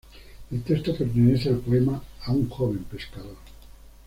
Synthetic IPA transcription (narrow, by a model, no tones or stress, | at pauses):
elt̪est̪opert̪eneθealpoemaːuŋxoβempeskaðoɾ